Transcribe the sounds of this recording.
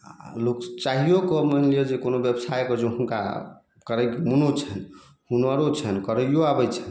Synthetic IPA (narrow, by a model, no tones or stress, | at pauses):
lokt͡ʃaɦijokɔməɦlijed͡ʒekonobjəbsajkɔd͡ʒõɦunka̰ | kəɾəjkmunot͡ʃʰən | hunwaɾot͡ʃʰɛnkəɾəjoabəjt͡ʃʰən